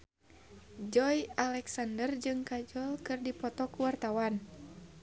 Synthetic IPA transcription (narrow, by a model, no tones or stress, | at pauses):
d͡ʒɔjalɛksandərd͡ʒɨŋkad͡ʒɔlkɨrdipɔt̪ɔkuwart̪awan